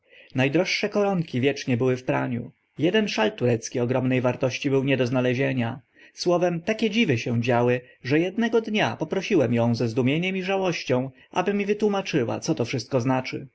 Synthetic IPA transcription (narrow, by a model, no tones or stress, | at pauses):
najd̪ɾɔʂːɛkɔɾɔŋkʲivʲjɛt͡ʂɲɛbɘwɘfpɾa̰ɲṵ | jɛd̪ɛnʂalt̪uɾɛt̪skʲiɔɡɾɔmnɛjvaɾt̪ɔɕt͡ɕibɘwɲɛd̪ɔznalɛʑeɲa | swɔvɛmt̪akʲɛd͡ʑivɘɕɛw̃d͡ʑawɘ | ʐɛjɛd̪nɛɡɔd̪ɲapɔpɾɔɕiwɛmjɔ̃w̃zɛzd̪umʲjeɲɛmiʐawɔɕt͡ɕɔ̃w̃ | ʔa̰bɘmʲivɘt̪wumat͡ʂɘwa̰t̪sɔt̪ɔfʂɘst̪̚kɔznat͡ʂɘ̰